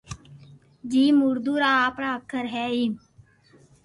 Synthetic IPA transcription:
d͡ʒiːmʊɾd̪uːɾaːpɾaːkʰːəɾɦɛːiː

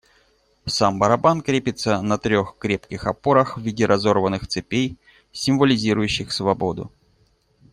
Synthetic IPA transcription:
sambəɾɐbankɾʲepʲɪt̪sənɐt̪ɾʲo̞xkɾʲe̞pkʲɪxɐpo̞ɾəxvʲidʲɪɾʔɐzo̞rvənːɨxt̪sɨpʲej | sʲɪmvəlʲɪzʲiɾʊjʉɕːɪxsvɐbo̞d̪ʊ̰

